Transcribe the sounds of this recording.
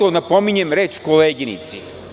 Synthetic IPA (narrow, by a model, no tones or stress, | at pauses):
onapomiɲemɾeːt͡ʃkoleːɡinḭt̪si